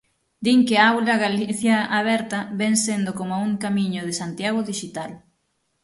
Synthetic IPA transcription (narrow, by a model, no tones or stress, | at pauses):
d̪iŋkɪaawlɐɣaliθjaaβ̞ɛɾt̪ɐβɛŋsend̪okomauŋkamiɲʊð̞ɪsant̪jaɣ̞ʊðiʃit̪al